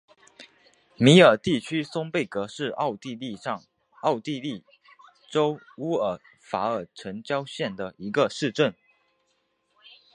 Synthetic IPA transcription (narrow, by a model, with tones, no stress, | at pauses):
mi˧˥ə˞˨˩t̪i˥˩t͡ɕʰy˥sʊ˥ŋpe˥˩ɪkɤ˧˥ʂɻ̩˥˧˥ʊi˥˧li˥˧˥ | ɑ˥˧ʊt̪i˥˧li˥˩ | ʈ͡ʂo˥ʊ | u˥ə˨˩ | fa˧˥ə˨˩ʈ͡ʂʰə˧˥ŋt͡ɕjɑ˥ʊɕjɛ˥˩nd̪ə˩i˧˥ɡə˧ʂɻ̩˥˧ʈ͡ʂə˥˩n